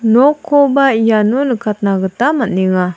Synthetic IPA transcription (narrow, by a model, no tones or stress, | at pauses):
nokʰobaijanunəkat̪̚naɡət̪amaniŋa